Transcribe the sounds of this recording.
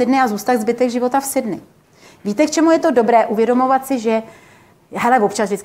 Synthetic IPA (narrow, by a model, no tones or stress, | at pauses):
ɪdnɪazuːst̪aɣzbɪt̪ɛɡʒɪvo̞t̪afsɪdnɪ | viːt̪ɛkt͡ʃɛmujɛt̪o̞do̞bɾɛːʔuvjɛdo̞mo̞vat̪sɪʒɛ | ɦɛlɛvo̞pt͡ʃaszvʒdɪt͡sk